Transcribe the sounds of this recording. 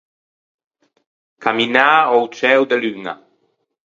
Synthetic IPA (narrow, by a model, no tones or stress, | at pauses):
kaminaowt͡ʃɛwd̪elyŋa̰